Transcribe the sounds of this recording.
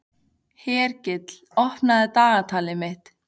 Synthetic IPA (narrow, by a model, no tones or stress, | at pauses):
hɛːɾcɪt̪lɔhpnaðɪt̪aːɣat̪ʰaːlɪmɪht̪